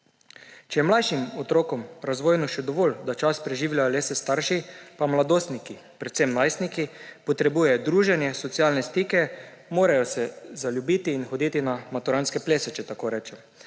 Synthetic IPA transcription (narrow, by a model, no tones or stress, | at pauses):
t͡ʃɛjɛmlajʃimɔt̪ɾoːkɔmɾazʋoːjnuʃɛd̪ɔʋoːld̪at͡ʃaspɾɛʒiːwlʲjajɔleːsɛst̪aɾʃipamlad̪oːst̪niki | pɾɛt̪semnajsnikipɔt̪ɾɛbuːjɛjd̪ɾuːʒɛnjɛsɔt̪sijalnɛst̪iːkɛ | moːɾajɔsɛzaljubit̪iːnxɔd̪iːt̪inamat̪uɾanskɛpleːsɛt͡ʃɛt̪akoːɾɛːt͡ʃɛm